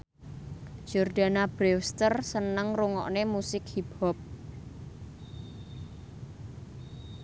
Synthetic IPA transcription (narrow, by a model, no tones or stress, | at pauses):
d͡ʒ̥ɔrd̪̥a̤nab̥ɾɛwst̪ərsənəŋruŋɔ̰ʔnemusɪk̚hiphɔp̚